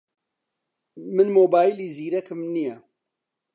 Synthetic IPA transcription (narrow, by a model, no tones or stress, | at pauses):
mɨnmoːbaːjiliːziːɾɛkʰɨmnijɛ